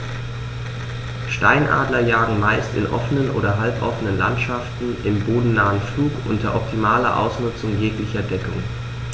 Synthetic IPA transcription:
ʃta̰ɪnʔa̰ːdlɐjaːɡŋ̩maɪstɪ̰nʔɔ̰fənənʔo̰ːdɐɦalpʔɔ̰fənənla̰ntʃaftn̩ʔɪmboːdn̩naːənfluːkʔʊ̰ntɐʔɔp̚tʰimaːlɐ̰ʔa̰ʊsnʊt͡sʊŋjeːklɪçɐdɛkʊŋ

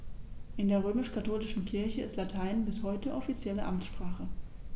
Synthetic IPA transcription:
ʔɪndeːɐʁ̞øːmɪʃkʰatʰoːlɪʃn̩kʰɪɐçəɪstlatʰaɪnnbɪshɔʏtəʔɔfit͡sjɛləʔamʃpʁ̥aːχə

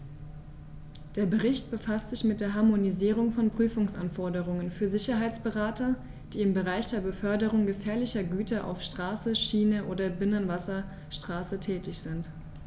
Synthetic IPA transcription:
d̥eːɐbəʁɪçt̚b̥əfastz̥ɪçmɪt̚d̥eːɐɦaɐmoniziːʁ̞ʊŋfɔnpʁ̥yːfʊŋsʔanfɔɐdəʁ̞ʊŋənfyːɐzɪçɐɦaɪt͡sb̥əʁaːtɐ | d̥iːɪmbəʁaɪçd̥eːɐbəfœɐdəʁ̞ʊŋɡəfɛːɐlɪçɐɡyːtɐʔa̰ʊfʃtʁ̥aːsəʃiːnəʔoːdɐbɪnənvasɐ | ʃtʁ̥aːsətʰɛːtɪçz̥ɪnt

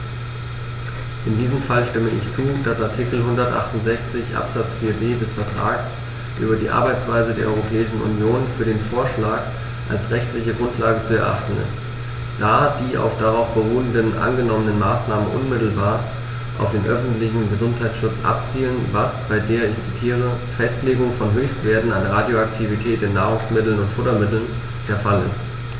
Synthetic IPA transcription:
ʔɪndiːzəmfalʃtɪməʔɪ̰çt͡suːd̥asaɐtʰikl̩ɦʊndɐtʔa̰χtʊntz̥ɛçt͡sɪçʔa̰pz̥at͡sfiːɐbeːdɛsfɛɐtʁ̥a̰ːks | ʔy̰ːbɐdiːʔa̰ɐbaɪt͡sv̥aɪzədeːɐʔɔʏʁopʰɛːɪʃn̩ʔṵnjoːnfyːɐɾeːnfoːɐʃlaːk | ʔa̰lsʁɛçtlɪçəɡʁʊntʰlaːɡət͡suɛɐʔa̰χtn̩ɪ̰st | d̥aːd̥iːʔa̰ʊfd̥aʁaʊfb̥əʁuːəndənʔa̰nɡənɔmənənmaːsnaːmənʔʊ̰nmɪtl̩baːɐ | ʔa̰ʊfd̥eːnʔœfn̩tlɪçn̩ɡəzʊnthaɪt͡sʃʊt͡sʔa̰p̚t͡siːlənvasb̥aɪdeːɐɪçt͡sitʰiːʁ̞ə | fɛstleːɡʊŋfɔnɦøːçstv̥eːɐtn̩anəʁadjoak̚tʰivitʰɛːtɪnːaːʁ̞ʊŋsmɪtl̩nʊntfʊtɐmɪtl̩n | d̥eːɐfalɪ̰st

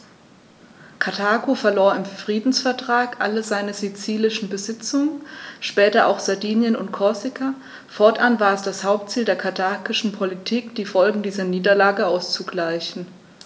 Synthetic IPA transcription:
kʰatʰaːkofɛɐloːɐɪmfʁ̥iːdn̩sfɛɐtʁ̥aːkʔa̰ləzaɪnəzit͡siːlɪʃn̩bəzɪt͡sʊŋənʃpɛːtɐʔa̰ʊxz̥aɐdiːnjənʊ̰ntkʰɔɐsɪkʰa | fɔɐtʔanvaːɐɛsd̥ashaʊp̚tt͡siːldeːɐkʰatʰaːkɪʃn̩pʰolitʰiːkd̥iːfɔlɡŋ̩diːzɐniːdɐlaːɡəaʊst͡suɡlaɪçn̩

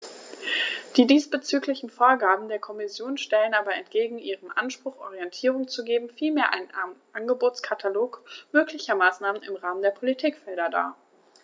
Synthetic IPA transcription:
d̥iːdiːsb̥ət͡syːklɪçn̩foːɐɡaːbm̩deːɐkʰɔmɪsjoːnʃtɛlənʔaːbɐɛntɡ̥eːɡŋ̩ʔiːʁənʔanʃpʁ̥ʊχʔɔ̰ʁ̞iɛntʰiːʁ̞ʊŋt͡suɡeːbm̩fiːlmeːɐʔa̰ɪnʔanɡəboːt͡skʰatʰaloːkmøːklɪçɐmaːsnaːmənɪ̰mʁaːməndeːɐpʰolitʰiːkfɛldɐda̰ː

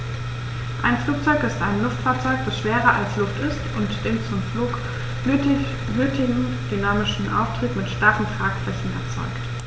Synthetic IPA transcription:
ʔaɪnfluːk̚t͡sɔʏkɪstaɪnlʊftfaːɐt͡sɔʏkd̥asʃv̥eːʁɐʔalslʊftɪstʊntd̥ɪnt͡sʊmfluːk | øːtɪɡŋ̩ | d̥ynaːmɪʃn̩ʔa̰ʊftʁ̥iːtmɪtʃtaʁn̩tʁ̥aːkflɛçn̩ɛ̰ɐt͡sɔ̰ʏkt

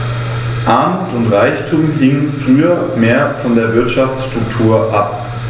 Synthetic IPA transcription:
ʔaɐmutʊntʁaɪçtʰuːmɦɪŋənfʁ̥yːɐmeːɐfɔndeːɐvɪɐtʃaft͡sʃtʁ̥ʊktʰuːɐʔap̚

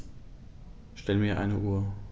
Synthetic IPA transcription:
ʃtɛləmiːɐʔa̰ɪnəʔuːɐ

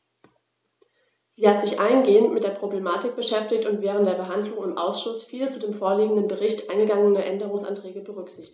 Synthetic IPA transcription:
z̥iːhatz̥ɪçʔa̰ɪnɡeːəntmɪt̚d̥eːɐpʁ̥oblemaːtɪk̚b̥əʃɛftɪçtʊntv̥ɛːʁ̞ən̩td̥eːɐbəɦandlʊŋɪmʔa̰ʊsʃʊsfiːlət͡sudeːmfoːɐliːɡŋ̩dənbəʁɪçtʔaɪnɡəɡaŋənəʔɛndəʁʊŋsʔa̰ntʁ̥ɛːɡəbəʁʏkz̥ɪçtɪçt

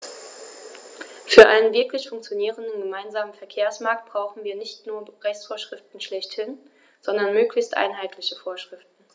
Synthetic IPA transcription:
fyːɐʔa̰ɪnənvɪɐklɪçfʊŋkt͡sjoniːʁ̞əndən̩ɡəmaɪnzaːmənfɛɐkʰeːɐsmaɐk̚t̚b̥ʁ̥aʊxn̩viːɐnɪçtnuːɐʁɛçt͡sfoːɐʃʁ̥ɪftn̩ʃlɛçthɪn | z̥ɔndɐnmøːklɪçstʔa̰ɪnɦaɪtʰlɪçəfoːɐʃʁ̥ɪftn̩

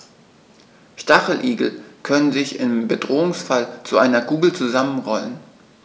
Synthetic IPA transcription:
ʃtaχl̩ʔiːɡl̩kʰœnənzɪçɪmbədʁoːʊŋsfalt͡suʔaɪnɐɡuːɡl̩t͡suzamənʁɔlən

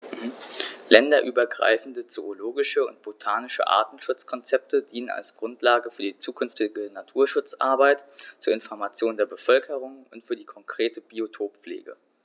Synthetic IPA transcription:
lɛndɐʔyːbɐɡʁa̰ɪfn̩dət͡sooloːɡɪʃəʊ̰ntb̥otʰaːnɪʃə̰ʔa̰ɐtn̩ʃʊt͡skʰɔnt͡sɛp̚tʰədiːnəna̰lsɡ̥ʁʊntlaːɡəfyːɐdiːt͡suːkʰʏnftɪɡənatʰuːɐʃʊt͡sʔa̰ɐbaɪtt͡suːɐɪnfɔɐmat͡sjoːndeːɐbəfœlkʰəʁ̞ʊŋʊntfyːɐdiːkʰɔŋkʁ̥eːtəbiotʰoːpp͡flḛːɡə̰

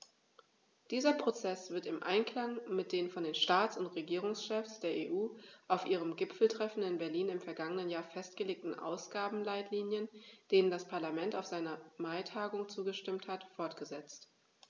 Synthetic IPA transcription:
d̥iːzɐpʁ̥ot͡sɛsv̥ɪɐtɪmʔa̰ɪnkl̥aŋmɪt̚d̥eːnfɔndeːnʃtaːt͡sʊntʁeɡiːʁ̞ʊŋsʃɛfsd̥eːɐʔeːʔuːʔaʊfʔiːʁ̞əmɡɪpfl̩tʁ̥ɛfn̩ɪnbɛɐliːnɪmfɛɐɡaŋənənjaːɐfɛstɡ̥əleːk̚tn̩ʔa̰ʊsɡ̥aːbm̩laɪtʰliːnjənd̥eːnəndaspʰaɐlamɛntaʊfz̥aɪnɐmaɪtʰaːɡʊŋt͡suːɡəʃtɪmthatfɔɐtɡ̥əzɛt͡st

